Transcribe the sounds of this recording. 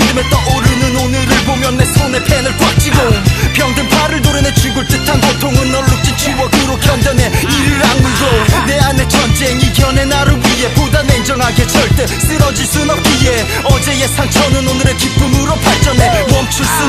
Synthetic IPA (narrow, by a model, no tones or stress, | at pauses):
ŋdɯmet͈ʌʌɾɯnɯnonɯɾɯɭbomjʌnːesʰonepʰenɯɭkwak̚t͡ɕ͈iɡopjʌŋdɯmpʰaɾɯɭdoɾɯnet͡ɕuɡuɭt͈ɯtʰankʌtʰoŋɯnːʌɭːut͡ɕ͈it͡ɕʰiwʌkuɾokʰjʌndjʌne̞iɾɯɾaŋmɯɡone̞ane̞t͡ɕʰʌnd͡ʑeŋiɡjʌnenaɾɯwie̞podaneind͡ʑʌŋɦaɡet͡ɕʌɭt͈e̞s͈ʰɯɾʌd͡ʑisʰɯnʌp̚k͈ije | ʌd͡ʑe̞je̞sʰaŋt͡ɕʰʌnɯnonɯɾekip͈ʰɯmɯɾʌpʰaɭt͡ɕ͈ʌnewʌmt͡ɕʰus͈ɯ